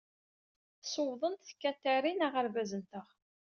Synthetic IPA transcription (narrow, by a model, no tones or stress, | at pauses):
sowðˤənt̪θkːæt̪ːæɾinaʁəɾvæzənt̪əʁ